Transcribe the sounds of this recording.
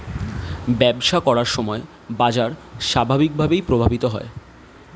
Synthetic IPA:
bɛbʃakɔɽaɾʃɔmɔe | bad͡ʑaɾʃabʱabik̚bʱabejpɾobʱabit̪oɦɔe

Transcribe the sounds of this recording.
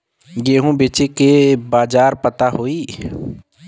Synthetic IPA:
ɡeːɦũbeːt͡ʃekebaːd͡ʒaːɾpət̪aɦoːiː

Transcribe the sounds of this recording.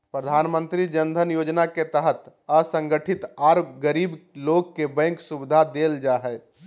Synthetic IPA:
pɾəd̪ʱaːnmə̃nt̪ɾid͡ʒənd̪ʱənjod͡ʒnaket̪əɦət̪əsə̃ŋɡəʈʰit̪aɾɡəɾiːbloɡkebɛ̃ŋksubɪd̪ʱad̪eld͡ʒaɦɛ

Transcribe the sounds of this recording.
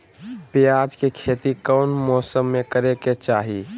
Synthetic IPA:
pjad͡ʒkekʰet̪ikəʊnmɔsəmːekəɾeket͡ʃaːɦi

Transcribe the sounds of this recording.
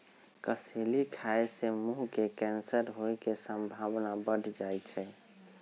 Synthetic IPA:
kəselikʰaesemuɦkekɛnsəɾɦoekesəmbʱabnabəɖʱd͡ʒajt͡ʃʰɛ

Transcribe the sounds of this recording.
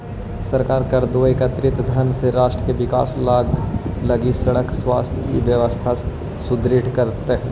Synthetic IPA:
sɐɾkaːɾkɐɾd̪oeːkət̪ɾɪt̪d̪ʱɐnseɾaːʃʈɾəkeʋɪka̰ːslaːɡlɐɡisɐɽəkswaːst̪ʰjkiʋjəʋəst̪ʰa | sʊd̪ɾɪʈkɐɾt̪eɦɛ̃ː

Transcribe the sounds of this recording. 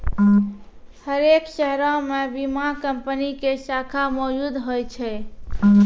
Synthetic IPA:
həɾekʃɛɦɾɔ̃mebimakəmpənikesakʰamɔd͡ʒud̪ɦojt͡ʃʰɛ

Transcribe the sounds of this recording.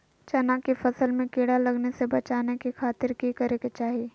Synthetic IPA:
t͡ʃɐnakifɐsəlmẽkeːɽalɐɡnesebɐt͡ʃaːnekixʰaːt̪ɪɾkikɐɾeket͡ʃaːɦieː

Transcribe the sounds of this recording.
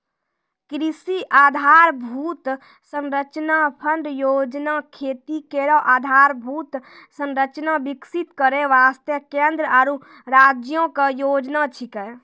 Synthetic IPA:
kɾisiʔad̪ʱaɾbʱut̪ | sənɾət͡ʃnapʰəɳɖjod͡ʒnakʰet̪ikeɾɔʔad̪ʱaɾbʱut̪ | sənɾət͡ʃnabiksit̪kəɾeʋast̪jəkẽnd̪ɾəaɾu | ɾad͡ʒjõkejod͡ʒnat͡ʃʰikɛ

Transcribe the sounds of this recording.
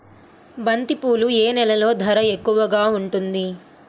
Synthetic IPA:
bɐnt̪ipuːlueːnɛlɐlo̞ːd̪ʱɐɾɐekːuʋɐɡaːuɳʈund̪i

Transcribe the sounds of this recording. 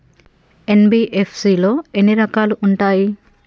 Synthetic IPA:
e̞nbiːʔepʰsiːlo̞ːe̞nːiɾɐkaːluʔuɳʈaːji

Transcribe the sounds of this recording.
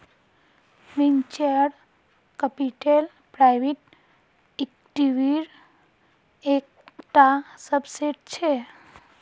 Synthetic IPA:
ʋint͡ʃəɽ | kəpiʈel | pɾajʋiʈ̚ | ek̚ʈiʋiɾ | ekʈasəbseʈ̚t͡ʃʰe

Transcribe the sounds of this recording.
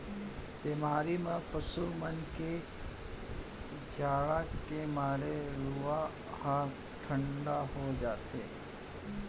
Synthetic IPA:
bemaːɾimẽpəsumənke | d͡ʒaːɭakemaːɾeɾua | hã | ʈʰəɳɖaɦod͡ʒaːt̪eː

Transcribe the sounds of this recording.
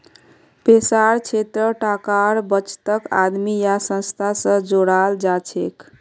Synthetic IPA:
pesaɾt͡ʃʰet̪ɾəʈakaɾbət͡ʃt̪əka̰d̪mijasə̃nst̪ʰasə̃d͡ʒoɽald͡ʒat͡ʃʰek

